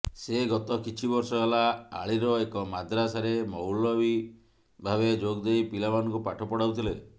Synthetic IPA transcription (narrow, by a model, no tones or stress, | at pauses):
seɡɔt̪ɔkit͡ʃʰibɔɾsɔɦelaa̰ɭiɾɔekɔmad̪ɾasaɾemɔwlɔbi | bʱaβed͡ʒoɡd̪ejpilamanɔŋkupaʈʰɔpɔɽ̤awt̪ʰile